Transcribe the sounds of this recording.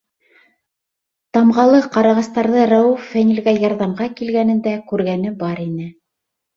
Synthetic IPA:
t̪ɑmʁɑlˠɤqɑɾɑʁɑst̪ɑɾðɤɾɑwufːænʲilɡæjɑɾðɑmʁɑkilɡænɘ̆nd̪ækʉɾɡænɘbɑɾinɘ

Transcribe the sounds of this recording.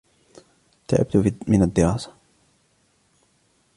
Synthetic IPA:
t̪a̰ʕɪ̰b̚t̪ʊmɪnad̪ːɪɾɑːsḁ

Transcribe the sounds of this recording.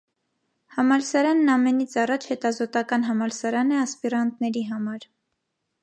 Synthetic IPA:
hɑmɑlsɑɾɑnːɑmɛnit͡sʰɑrɑt͡ʃʰhɛt̪ɑzɔt̪ɑkɑnɦɑmɑlsɑɾɑnɛɑspiɾɑnt̪nɛɾiɦɑmɑɾ

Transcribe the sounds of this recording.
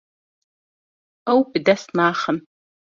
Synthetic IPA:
ɐwbdɐsnaːχɐm

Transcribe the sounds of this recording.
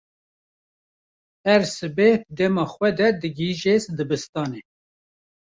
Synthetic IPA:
ɛɾsɨbet̪̚d̪ɛmɑːxwɛd̪ɛd̪ɨɡiʒesd̪ɨbɨst̪ɑːne

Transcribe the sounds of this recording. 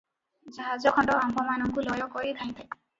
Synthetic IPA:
d͡ʒaɦad͡ʒɔkʰɔɳɖɔambɔmanɔŋkulɔjɔkɔɾid̪ʰʱaj̃t̪ʰaj

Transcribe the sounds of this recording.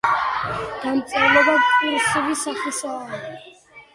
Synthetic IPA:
d̪̥amt̪sʼaɾlɛbad̪pʼiɾsɛbisaχisaːa

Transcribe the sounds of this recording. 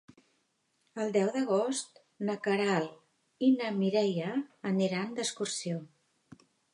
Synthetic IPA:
əlˠd̪ɛwðəɣ̞ost̪ | nəkəɾal | inəmiɾɛjəːniɾand̪əskursio

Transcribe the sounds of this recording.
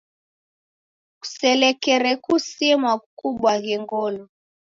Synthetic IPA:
ku̥sɛlɛkɛɾɛkusimwakuɓwaɣɛŋɡɔlɔ

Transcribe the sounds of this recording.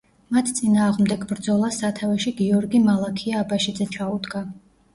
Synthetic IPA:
mat̪ʰt̪sʼinaːʁmd̪ɛɡbɾd̪zɔlˠasat̪ʰavɛʃiɡiɔɾɡimalˠakʰiaːbaʃid̪zɛt͡ʃʰaud̪ɡa

